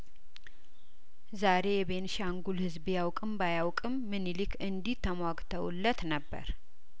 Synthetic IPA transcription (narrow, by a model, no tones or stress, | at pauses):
zaɾe̞jɛβe̞nʃaŋɡulhɨzbjawkʼɨmbajawkʼɨmːɨnilikʰɨnd̪it̪ʰːəmwaɡt̪ʰəwlːət̪nəbːə̰ɾ